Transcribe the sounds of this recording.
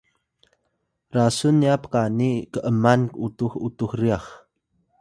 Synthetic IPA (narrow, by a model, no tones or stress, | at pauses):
rasunːiapə̥kanikəʔəmanutuxutuxriax